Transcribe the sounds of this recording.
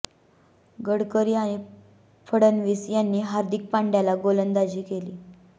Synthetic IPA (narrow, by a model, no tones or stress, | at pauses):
ɡəɽkəɾiːaɽ̃i | fʰəɽənʋiːsjanːiːɦaɾd̪ik̚paɳɖjalaɡolənd̪ad͡ʑiːkeliː